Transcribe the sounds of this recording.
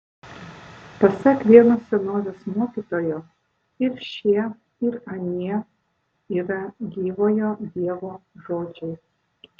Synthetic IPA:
pɐsʲɛkʋʲiɛnosʲsʲɛnoːʋʲesmoːkʲiːt̪oːjoː | ɪɾʃʲiɛ | ɪɾɐnʲiɛ | iːɾɐɡʲiːʋoːjod̪ʲiɛʋoːʒoːd͡ʒʲɛɪ

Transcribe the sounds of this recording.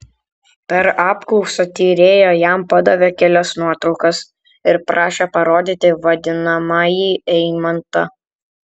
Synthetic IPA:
pʲɛɾɑːpklˠɒʊsoːt̪ʲiːɾʲeːjoːjæˑmpɐd̪ɐʋʲɛkʲɛlʲɛsnuɔt̪ɾɒʊkɐs | ɪɾpɾɑːʃʲepɐɾoːd̪ʲit̪ʲɪʋɐd̪ʲɪnɐmɑːjiːɛɪmɐnt̪ɐ

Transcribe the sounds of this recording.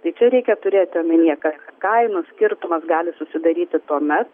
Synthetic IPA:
t̪ɐɪt͡ʃʲɛɾʲɛɪkʲɛt̪ʊɾʲeːt̪ʲɪɐmʲɛnʲiːɛkɐɐkɐɪnʊsʲkʲɪrt̪ʊmɐsɡɑːlʲɪsʊsʲɪd̪ɐɾʲiːt̪ʲɪt̪uɔmʲɛt̪

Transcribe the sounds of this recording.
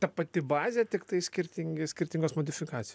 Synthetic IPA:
t̪ɐpɐt̪ʲɪbɑːzʲet̪ʲɪkt̪ɐɪsʲkʲɪɾʲt̪ʲɪŋʲɡʲɪsʲkʲɪɾʲt̪ʲɪŋɡosmoːd̪ʲɪfʲɪkɑːt͡s̪ʲɪj

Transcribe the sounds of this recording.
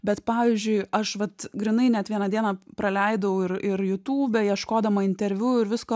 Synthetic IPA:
bʲɛt̪pɑːʋʲiːzʲd͡ʒʲʊɪɐʃʋɐt̪ɡɾʲɪnɐɪnʲɛt̪ʋʲiɛnɐd̪ʲiɛnɐpɾɐlʲɛɪd̪ɐʊɪɾɪɾjʊt̪uːbʲɛjiɛʃkoːd̪ɐmɐɪnʲt̪ʲɛɾʲʋʲuːɪɾʋʲɪskoː

